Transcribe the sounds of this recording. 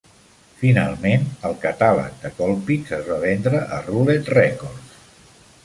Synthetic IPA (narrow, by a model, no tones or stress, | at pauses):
fina̰lˠmenəlˠkət̪alə̰k̚d̪əkɔlˠpizəzβaβɛnd̪ɾəʔərulet̪rɛkors